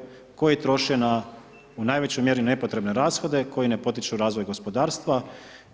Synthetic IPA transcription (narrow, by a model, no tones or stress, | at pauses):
ko̞jaet̪ɾo̞ʃena | unaːjʋe̞t͡ɕojmje̞ɾine̞po̞t̪ɾe̞bne̞ɾaːsxo̞d̪e̞ko̞jine̞po̞t̪̬it͡ʃuɾaːzʋo̞jɡo̞spo̞d̪aːɾst̪ʋa